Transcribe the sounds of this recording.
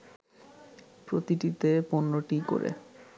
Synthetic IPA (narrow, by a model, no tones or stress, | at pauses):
pɾot̪iʈit̪eponːoʈiko̰ɾḛ